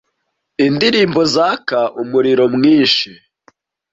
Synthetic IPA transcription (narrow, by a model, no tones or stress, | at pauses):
indiɾiːmbo̞zaːkaʔumuɾiɾo̞mŋiːnʃi